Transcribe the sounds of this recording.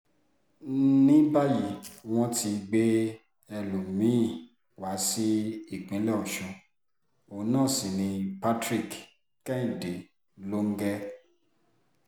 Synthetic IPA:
nĩ˦ba˦ji˨w̃ɔ̃˦ti˧ɡ͡be˦ | ɛ˧lo˨mĩ˨˦˨ | wa˨˦si˦i˦˨k͡pĩ˨˦lɛ˦ɔ˨ʃɔ̃˧ | o˨˦nãː˦˨sĩ˨nĩ˧pa˦tɾi˦˨k | kɛ˦ĩ˦˨de˨ | lo˦ŋ̩˦ɡɛ˦

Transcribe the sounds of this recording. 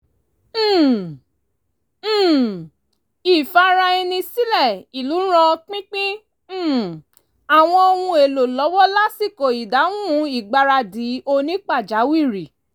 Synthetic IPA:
i˨fa˧ɾa˧i˧nĩ˧si˦lɛ˦˨i˨lu˨˦ɾ̃ã˧k͡pĩ˦k͡pĩ˦˨ | a˨w̃ɔ̃˧o˧hũ˧e˨lo˨lɔ˨˦wɔ˦la˦si˦˨ko˨i˨da˨˦ũ˦i˦˨ɡ͡ba˧ɾa˧di˨˦o˧nĩ˦k͡pa˦˨d͡ʒa˨˦wi˦˨ɾi˨

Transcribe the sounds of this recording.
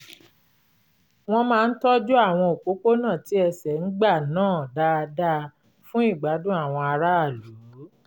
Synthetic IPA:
w̃ɔ̃˧mãː˦˧n̩˦tɔ˦d͡ʒu˦a˦˨w̃ɔ̃˧o˨k͡po˨˦k͡po˦nã˦˨ti˨˦ɛ˧sɛ˨ŋ̩˦ɡ͡ba˦˨nãː˦˨da˦˧da˦ | fũ˦i˦˨ɡ͡ba˨˦dũ˦a˦˨w̃ɔ̃˧a˧ɾa˦a˦˨lu˨˦

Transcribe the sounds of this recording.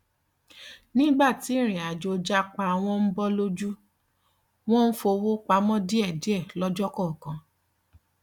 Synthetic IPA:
nĩ˦ɡ͡ba˦˨ti˨˦ɾ̃ĩ˨a˨d͡ʒo˧d͡ʒa˦k͡pa˧w̃ɔ̃˦m̩˦bɔ˦lo˦d͡ʒu˦ | w̃ɔ̃˦n̩˦fo˧wo˦k͡pa˧˦mɔ̃˦di˦ɛ˦˨di˦ɛ˦˨lɔ˦d͡ʒɔ˦kɔ˦˨kã˨˦

